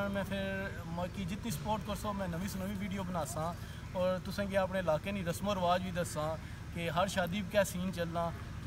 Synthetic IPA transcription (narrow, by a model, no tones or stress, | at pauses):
mɛ̃ːpʰɪɾ | məkiːd͡ʒɪt̪nĩːsə̥poːɾʈkəɾsoːmɛ̃ːnəʋĩːsonəʋĩːʋiːɖijoːbənaːsãː | ɔːɾt̪ʊsãːɡeaːpnẽːɪlaːkeːnĩːɾəsmoəɾʋaːd͡ʒʋiːd̪əsãː | keɦəɾʃaːd̪iːbkɛːsiːnt͡ʃəlːãː